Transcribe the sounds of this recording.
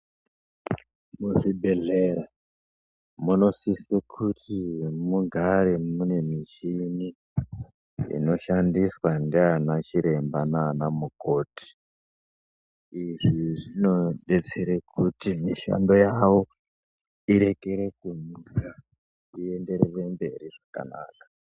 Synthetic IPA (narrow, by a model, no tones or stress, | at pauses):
muʐibʱeɮeɾa | muno̞sisekʰutʰimuɡʱaɾe̞mune̞mit͡ʃini | ḭno̞ʃandiswandianat͡ʃiɾe̞mbananamuko̞ːtʰi̥ | iʐiʐino̞ɗe̞t͡seɾekʰutimiʃa̰ndo̞jawo | iɾe̞keɾe̞kunika | ie̞nde̞ɾeʋe̞mbe̞ɾiʐaka̰na̰ːkḁ